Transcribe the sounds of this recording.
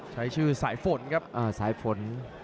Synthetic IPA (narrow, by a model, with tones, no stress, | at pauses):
t͡ɕʰa˦˥jt͡ɕʰɯː˥˩saː˩˦jfo˩˦nkʰa˦˥p̚ʔaː˧˩saː˩˦jfo˨˩˦n